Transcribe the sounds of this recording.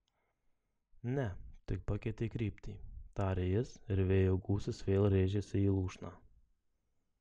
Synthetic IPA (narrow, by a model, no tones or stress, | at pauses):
nʲɛt̪ʲɪkpɐkʲet̪ʲekɾʲiːpʲt̪ʲiːt̪ɑːɾʲejɪsɪɾʋʲeːjoːɡuːsʲɪsʋʲeːlˠɾʲeːʒʲesʲɪiːlˠuːʃnɑː